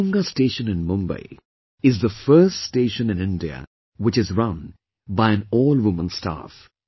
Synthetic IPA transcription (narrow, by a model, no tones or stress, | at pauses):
ŋɡəsteːʃə̃nɨ̃nmʊ̃mbḛɪ | ɪzðəfɜ˞ststeːʃə̃nɨ̃nɪ̃ndiə̰ | wɨt͡ʃɨzɹʌ̃n | baɪɨ̃nɔːlˠwʊmə̃nsta̰f